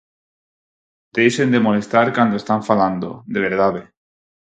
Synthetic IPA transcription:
d̪̥ejsend̪e̞mole̞st̪aɾkand̪oest̪aɱfaland̪o̰d̪eβ̞eɾðaβe

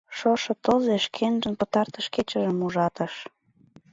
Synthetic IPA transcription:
ʃoʃɤ̆t̪ɤzeʃkʰenʒənpə̆t̪ɑrt̪əʃket͡ɕə̆ʒəmuʒɑt̪ə̆ʃ

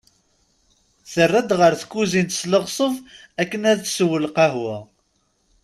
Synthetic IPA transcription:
θərˤːæd̪ʁəɾθə̥kːuzint̪ə̥sləʁsˤəv | ækːənæðswːəlqɑɦwæ

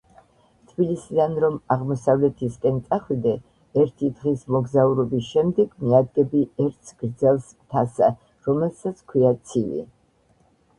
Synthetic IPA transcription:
t̪ʰbilisid̪anɾɔmaʁmɔsavlɛt̪ʰiskʼɛnt̪sʼaχwid̪ɛ | ɛɾt̪ʰid̪ʁismɔɡzauɾɔbisʃɛmd̪ɛɡmiad̪ɡɛbiɛɾt̪ʰsɡɾd̪zɛlˠs | t̪ʰasa | ɾɔmɛlˠsat̪sʰkʰwiat̪sʰivḭ

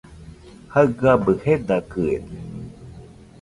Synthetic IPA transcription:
haɡabəhed̪akɯḛd̪e

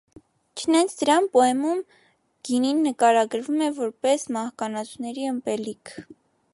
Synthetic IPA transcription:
t͡ʃʰənɛnt͡sʰd̪əɾɑnpɔɛmum | ɡ̥ininːəkɑɾɑɡəɾvumɛvɔɾpɛsmɑhkɑnɑt͡sʰunɛɾiəmpɛlikʰ

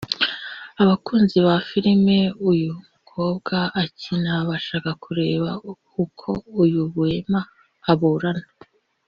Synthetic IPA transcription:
aβakuːnziβafiɾime̞ujumukʰo̞ːb̚ɡaːcinaβaʃaːkakʰuɾe̞ːβa | ukʰo̞ujuβue̞maː | βuːɾana

